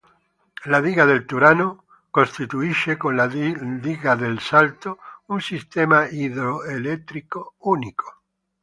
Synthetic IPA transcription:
laðiɣaðelt̪uɾano | kõst̪it̪uiʃekonlaliɣaðelsalt̪ounsist̪emaiðɾoelet̪ɾikouniko̥

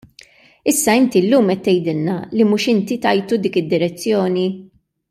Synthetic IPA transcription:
ɪsːɐɪnt̪ilːuːmɛt̪ːɛjd̪ɪlnɐ̰limuːʃɪnt̪it̪ɐjt̪ud̪iːkɪd̪ːɪɾɛt͡sːjɔːni

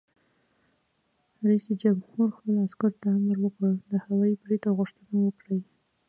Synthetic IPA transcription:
ɾaisid͡ʒamhuɾxpəlaskʊɾt̪aaməɾwəkəd̪əhawɑjibɾet̪aɣʊʂt̪ənawəkɽəj

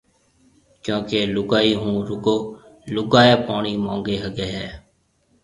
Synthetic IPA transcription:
kjõːkeːlʊɡaːiɦũːɾʊɡoː | lʊɡaːjeːpaːɳiːmãːŋɡeːɦəɡeːɦɛː

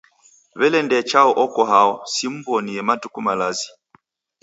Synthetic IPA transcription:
βɛlɛndɛt͡ʃaɔʔɔkɔɦaɔsim̩bɔniɛmatukumalazi

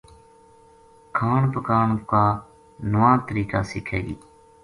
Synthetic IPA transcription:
kʰaːɳpəkaːɳkaː | nəʋãːt̪əɾiːkaːsɪkʰeːḭː

